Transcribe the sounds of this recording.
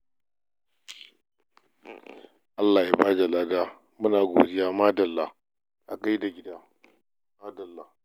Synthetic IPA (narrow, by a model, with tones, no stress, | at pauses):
ʔa˦lːaː˨ja˦baː˦da˨laː˦ɡaː˦ | mʊ˦naː˨ɡʷo̰ː˨dɪ˦jaː˦maː˦dɐ˨lːa˦h | ʔa˨ka˦jda˨ɡʲɪ˦daː˦ | maː˦dɐ˨lːa˦h